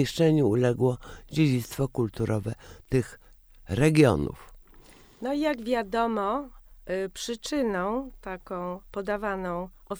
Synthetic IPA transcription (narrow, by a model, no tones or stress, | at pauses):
iʂt͡ʂɛɲuulɛɡwɔd͡ʑed͡ʑit̪st̪fɔkult̪uɾʔɔvɛt̪ɘx | ɾɛɡʲjɔ̰nṵf | nɔijaɡvʲjad̪ɔmɔ | pʂɘt͡ʂɘnɔ̃w̃t̪akɔ̃w̃pɔd̪avanɔ̃w̃ʔɔ